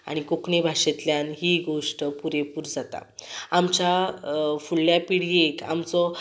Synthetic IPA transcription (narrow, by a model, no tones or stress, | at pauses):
a̰ɽ̃ikokɳebʱaʂet̪ljanɦiɡoʂʈəpuɾepuɾd͡zat̪a̰amt͡ɕafulːjapiɽ̤ieka̰mt͡sɔ